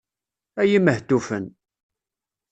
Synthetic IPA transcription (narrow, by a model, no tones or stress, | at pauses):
æjiməht̪ːufən